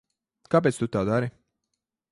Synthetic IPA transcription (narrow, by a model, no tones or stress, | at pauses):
kap̬eːt̪st̪ut̪aːd̪aɾi